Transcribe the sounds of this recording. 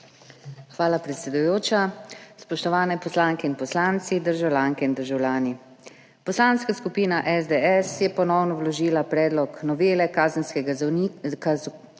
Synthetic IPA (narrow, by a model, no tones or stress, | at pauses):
xʋaːlapɾɛt̪sɛd̪ujoːt͡ʃaspɔʃt̪ɔʋaːnɛpɔslaːŋkɛinpɔslaːnt̪sid̪əɾʒawlʲjaːŋkɛind̪əɾʒawlʲaːni | pɔslaːnskaskupiːnaʔɛzd̪eɛsjɛpɔnɔwnɔwlɔʒiːlapɾɛːd̪lɔknɔʋeːlɛkaːzənskɛ